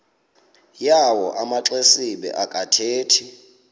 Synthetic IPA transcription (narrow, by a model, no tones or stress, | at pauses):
jawɔʔamaǁesiɓɛ̰ʔakʼatʰeːtʰi